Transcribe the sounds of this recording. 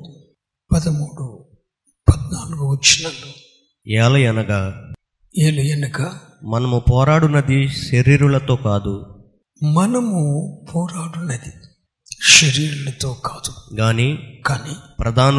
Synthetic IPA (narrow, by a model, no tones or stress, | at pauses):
pɐd̪ɐmuːɽu | pɐd̪naːluɡuʋɐt͡ʃːinɐloː | ɛːlɐjɐnɐɡaː | eːlujenukɐ | mɐnɐmupɔːɾaːɽunɐd̪iʃeɾiːɾulɐt̪oːkaːd̪u | mɐnɐmupʰɔːɾaːɽunɐd̪i | ʃɐɾiːɾulɐt̪o̞ːkaːd̪uɡaːniːkaːniːpɾɐd̪ʱaːn